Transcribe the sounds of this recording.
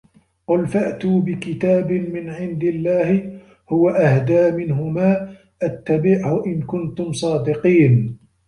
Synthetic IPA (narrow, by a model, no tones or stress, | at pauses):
qʊlfaʔt̪uːbɪkɪt̪aːbɪmɪnʕɪnd̪ɪlːaːhɪ | hʊwaʔahd̪aːmɪnɦʊmaː | ʔat̪ːabɪʕhʊʔɪnkʊnt̪ʊmsˤɑːd̪ɪqiːn